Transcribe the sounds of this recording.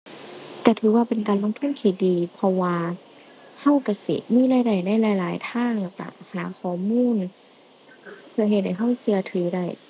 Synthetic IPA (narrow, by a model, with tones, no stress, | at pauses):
ka˧˩t̪ʰɯː˨˦waː˧˩pe˨nkaː˨nlo˧˥˨ŋt̪ʰɯ˧˥˨nt̪ʰiː˧˩diː˨pʰɔ˧waː˧ | ha˧˥˩wka˧˩sḭ˧˩miː˧˥˨laː˧˥˨jda˧˩jna˧˥˩jlaː˨˧˩jlaː˨˦jt̪ʰaː˧˥˩ŋa˧˨˩ka̰˧˩haː˨˦kʰɔː˨˩˦muː˧˥˨n | pʰɯ˧ɐɦhe˧t̪̚ha˧˩jɦa˥˩wsɯ˧ɐt̪ʰɯː˨˩˦da˧˩j